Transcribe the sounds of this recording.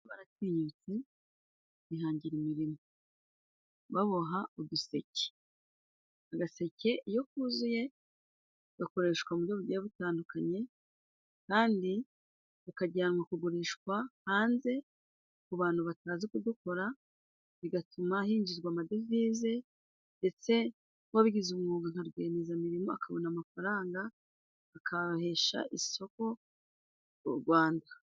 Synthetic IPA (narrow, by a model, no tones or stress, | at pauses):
βaɾatiːɲut͡se | βiɦaːɲɟiɾimiɾimo | βaβo̞ɦaudusece̥ | aɡase̞ce̞ʔijo̞k̚uːzuje̞ | ɡako̞ɾe̞ːʃkwamuɾjoβuɾɟejaβutaːndukaɲe̞ | kaːndi | βukaɟaːnwakuɡuɾiːʃkwahaːnze̞ | kuβaːn̥huβataːzikud̪uko̞ɾa | βiɡatumahiːɲɟiɾɡwaːmadeviːze̞ | nde̞t͡se̞ | waβiɡizumŋuːɡaŋ̥haɾɡweːnezamiɾimo̞a̰kaβonamafaɾaːŋɡaː | kʰahe̞ʃa̰ʔiso̞ko̞ | uɾɡwaːnda